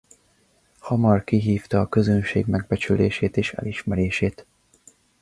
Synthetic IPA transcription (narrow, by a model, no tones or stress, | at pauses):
hɒmɒrkiɦiːft̪ɒːkø̞zønʃḛːɡmɛɡ̚bɛt͡ʃyleːʃeːt̪eːʃɛ̰liʃmɛɾeːʃeːt̪